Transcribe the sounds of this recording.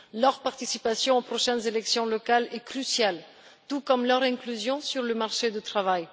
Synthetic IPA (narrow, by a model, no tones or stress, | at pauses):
lœʁpaʁt̪isipasjɔ̃opχɔʃɛnzelɛksjɔ̃lɔkalɛkχysjal | t̪ukɔmlœʁɛ̃klyzjɔ̃syʁləmaʁʃed̪ət̪χavaj